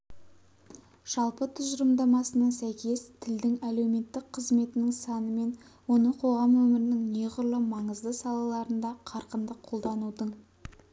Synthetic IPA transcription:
ʒ̥ɑlˠpət̪ʰʏzəɾəmd̪ɑmɑsənɑnsæjkʲe̞st̪ʰɪld̪ɪŋæle̞wme̞t̪ːɪk̚qʰəzme̞t̪ɪnɪŋsɑnəme̞n | wo̞nəqʰo̞ʁɑmwɵmɪɾɪnɪŋne̞ʁʊɾlˠəmɑɴəzd̪əsɑlˠɑlˠɑɾənd̪ɑqʰɑɾqənd̪əqʰo̞lˠd̪ɑnud̪əɴ

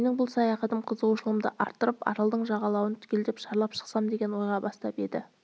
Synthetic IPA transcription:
menɪŋbʊlˠsɑjɑχɑt̪əmqʰəzəʁuʃəlˠəmd̪əʔɑ̰ɾt̪ːəɾəpɑ̰ɾɑlˠd̪əɴʒɑʁɑlˠɑwənt̪ʰʏ̥kʲe̞ld̪ɪpʃɑɾlˠɑpʃə̥qsɑmd̪e̞ɡʲe̞nwo̞jʁɑbɑst̪ɑpe̞d̪ɪ

